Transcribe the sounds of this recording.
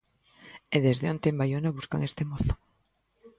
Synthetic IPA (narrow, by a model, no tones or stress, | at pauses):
eðezðeont̪embajonaβuska̰ŋest̪emoθo̥